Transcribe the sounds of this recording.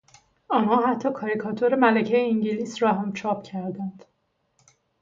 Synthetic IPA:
ɒːnhɒːhæt̪ʰːɒːkʰɒːɾikʰɒt̪ʰoɾemælæcʰejeiɲɟiliːsɾɒɦæmt͡ʃʰɒːp̚cʰæɾd̪ænd̪̥

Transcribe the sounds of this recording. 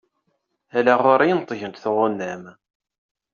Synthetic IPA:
ælæʁoɾˤɑjənt̪ˤːəʝənt̪θʊʁʊnːæm

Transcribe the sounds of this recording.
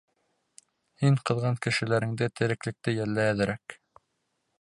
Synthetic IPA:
hiŋqɤ̆ðʁɑŋkɘ̆ʃɘ̆læɾɘ̆ŋd̪ɘt̪ɘ̆ɾɘ̆klɘ̆k̚t̪ɘjælːæjæðɘ̆ɾæk

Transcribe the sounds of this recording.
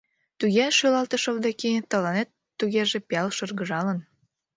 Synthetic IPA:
t̪uɣeʃølɑlt̪əʃoβd̪ekit̪ə̆lɑnet̪ːuɣeʒepiɑlʃɤ̆rɣəʒɑlən

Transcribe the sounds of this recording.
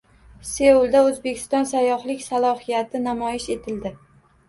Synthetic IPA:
se̞ulˠd̪aɵzbekʲʰɪ̥st̪ɒnsajːɒhlɪkʲsalˠɒhijat̪ʰɪnamɒjɪʃe̞t̪ʰɪld̪ɪ

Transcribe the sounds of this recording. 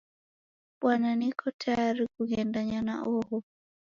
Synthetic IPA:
ɓwananikʰɔtʰajaɾikuɡɛndaɲana̰ʔɔhɔ

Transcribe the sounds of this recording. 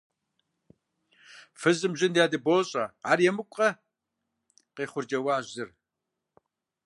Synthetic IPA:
fɨzɨmʑɪndjaːdɨboːɕʼɐa̰ːrjɛmɨkʷʼɐ | qeːχʷʊrd͡ʒɐwaːʒzɨr

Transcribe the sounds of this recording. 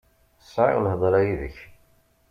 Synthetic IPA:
sˤʕḭwlhəðˤɾˤɑjiðə̰ç

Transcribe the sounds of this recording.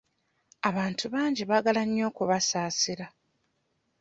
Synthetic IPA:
aβaːntʰuβaːɲɟiβaɡalaɲːo̞ːkuβasaːsiɾa

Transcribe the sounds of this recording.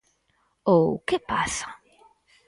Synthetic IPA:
owkepasḁ

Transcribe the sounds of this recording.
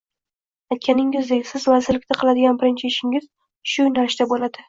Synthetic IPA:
ajt̪̚kʲʰanɪŋɪzd̪ekʲsɪzvazɪɾlɪkʲt̪aqʰɨlˠad̪ɪɡʲanbɪɾɪnt͡ʃʰɪɪʃɪŋɪz̥ | ʃʊnaɾʃt̪abolad̪ɪ

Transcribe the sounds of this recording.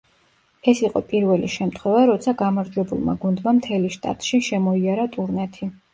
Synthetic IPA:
ɛsiqʼɔ̰pʼiɾvɛlḭʃɛmt̪ʰχwɛvaɾɔt̪sʰaɡamaɾd͡ʒwɛbṵlˠma̰ɡund̪mamt̪ʰɛliʃt̪ʼa̰t̪ʼʃiʃɛmɔiaɾat̪ʼuɾnɛt̪ʰi

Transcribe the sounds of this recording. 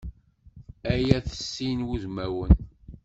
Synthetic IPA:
æjæθə̥sːinwuzmæwən

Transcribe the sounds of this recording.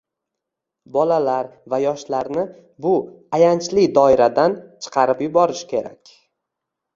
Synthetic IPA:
bɒlalaɾvajɒʃlaɾnɪ | bʊ | ajant͡ʃlɪd̪ɒɪɾad̪ant͡ʃʰɨ̥qʰɑɾɪpjʊbɒɾɪʃkʲʰe̞ɾa̰kʲ

